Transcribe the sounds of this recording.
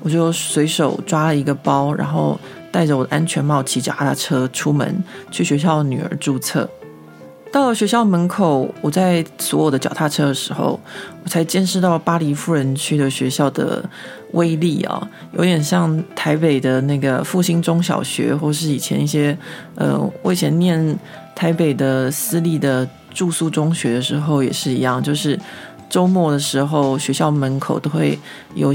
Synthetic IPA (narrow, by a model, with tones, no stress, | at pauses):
wɔ˨˩t͡ɕjo˥˩ʊswe˧˥ɪʂo˨˩ʊʈ͡ʂwa˥lə˨i˧˥ɡə˧pɑ˥ʊɻa̰˧˥nxo˥˧ʊ | t̪a˥˩ɪʈ͡ʂə˩wɔ˨˩d̪ə˦ʔa˥nt͡ɕʰɥɛ˧˥nmɑ˥˩ʊt͡ɕʰi˧˥t͡ɕjɑ˨˩ʊt̪ʰa̰˥˩ʈ͡ʂʰɤ˥ʈ͡ʂʰu˥mə̰˧˦nt͡ɕʰy˥˩ɕɥɛ˧˥ɕ̬jɑ˥˩ʊd̪ə˩ny˨˩ə̰˞˧˥ʈ͡ʂu˥˧t͡sʰɤ̰˥˩ | t̪ɑ˥˩ʊlə˩ɕɥɛ˧˥ɕjɑ˥˩mə˧˥nkʰo˨˩ʊwɔ˨˩t͡sa˥˩ɪswɔ˧˥jo˨˩ʊd̪ə˦t͡ɕjɑ˨˩t̪ʰa˥˩ʈ͡ʂʰɤ˥d̪ə˨ʂɻ̩˧˥˦xo̰˥˩ʊwɔ˨˩t͡sʰa˧˥ɪt͡ɕjɛ˥˧nʂɻ̩˥˧t̪ɑ˥˩ləpa˥li˧˥fu˥˩ɻə˧˥nt͡ɕʰy˥d̪ə˨ɕɥɛ˧˥ɕjɑ˥˩ʊd̪ə̰˩ | wʔe˥ɪli˥˩ɐ̰˩ | jo˧˥ʊd̪jɛ˨˩nɕjɑ˥˧ŋt̪ʰa˧˥ɪpe˨˩ɪd̪ə˩na˥˩ɪɡə˩fu˥˩ɕi˥ŋʈ͡ʂʊ˥ŋɕjɑ̰˨˩ʊɕɥɛ̰˧˥xwɔ˥˩˨ʂɻ̩˥˩i˨˩t͡ɕʰjɛ̰˧˥ni˥˩ɕjɛ˥ | ə̰˧wʔe˥˩ɪt͡ɕʰjɛ˧˥nnjɛ˥˩n | t̪ʰa˧˥ɪpe˨˩ɪd̪ə˦sɹ̩˥li˥˩d̪ə˩ | ʈ͡ʂu˥˧su˥˩ʈ͡ʂʊ˥ŋɕɥɛ˧˥d̪ə˧ʂɻ̩˧˥xo˥˧ʊjɛ˨˩ʂɻ̩˥˩i˧˥jɑ˥˩ŋt͡ɕjo˥˧ʊʂɻ̩˥˩ | ʈ͡ʂo˥ʊmwɔ˥˩d̪ə˩ʂɻ̩˧˥xo˥˩ʊɕɥɛ˧˥ɕjɑ˥˩ʊmə˧˥nkʰo˨˩ʊt̪o˥ʊxwe˥˩ɪ | jo̰˨˩ʊ